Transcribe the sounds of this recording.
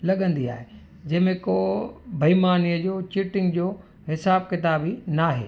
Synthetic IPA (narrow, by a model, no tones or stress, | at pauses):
lɐɠə̃nd̪ia̰ːɦe | d͡ʑɐ̃ɦɪ̃mẽkoːbʱɐimaːnijəd͡ʑoːt͡ɕiʈɪ̃ŋɡd͡ʑoː | ɦɪsaːb̚kɪt̪aːbinaːɦḛː